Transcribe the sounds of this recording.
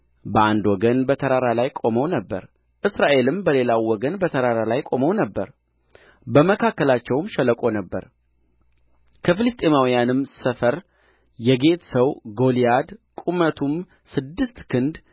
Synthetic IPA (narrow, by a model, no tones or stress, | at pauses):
bəʔand̪wɔɡənbət̪ʰəɾaɾalajkʼo̞məwnəbːə̰ɾ | ʔɨsɾaʔe̞lɨmbəle̞lawːɔɡənbət̪ʰəɾaɾalajkʼo̞məwnəbːəɾ | bəməkʰakːəlat͡ʃːɛwmʃɛləkʼo̞nəbːə̰ɾ | kʰəfɨlɨst̪ʼe̞mawijanɨmsəfəɾ | jɛɡe̞t̪səwɡo̞lijad̪kʼumət̪ʰum | sɨd̪ːɨst̪kʰɨnd̪